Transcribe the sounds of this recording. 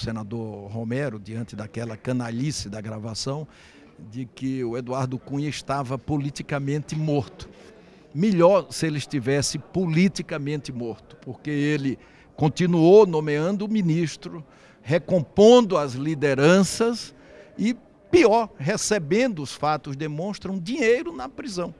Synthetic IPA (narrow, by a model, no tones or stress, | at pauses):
senad̪oɾɦomɛɾʊd̪iɐ̃nt̪ɪd̪akɛlɐkɐ̃naʎisɪd̪ɐɡɾavasɐ̃w̃ | d̪ɪkɪʊed̪uaɾd̪ʊkũɲɐɪʃt̪avɐpolit̪ikɐmẽnt̪ɪmoɾt̪ʊ̥ | meʎɔɾsɪelɪʃt̪ivɛsɪpolit̪ikɐmẽnt̪ɪmoɾt̪ʊ̥poɾkeelɪ | kõnt̪ĩnuownõmeɐ̃nd̪ʊːmĩniʃt̪ɾʊ | hekõpõnd̪ʊɐzlid̪eɾɐ̃sɐs | ɪ | piɔɾɦesebẽnd̪ʊʊsfat̪ʊzd̪emõʃt̪ɾɐ̃ũd̪iɲejɾʊnɐpɾizɐ̃w̃